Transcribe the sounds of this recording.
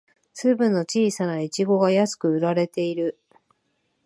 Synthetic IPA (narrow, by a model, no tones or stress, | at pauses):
sɨːbɯ̟̃nːo̞t͡ɕiːsanait͡ɕiɡo̞ɡajasɨ̥kɯ̟ɯ̟ɾaɾe̞t̪e̞iɾɯ̟